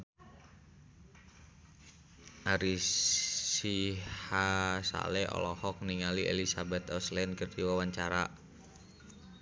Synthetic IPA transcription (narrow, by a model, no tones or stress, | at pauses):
ʔaɾi | sihasa̰lɛɔ̰lɔhɔk̚niŋaliʔḛlisabɛt̪ɔslɛnkərd͡ʒiwawaɲt͡ʃaɾa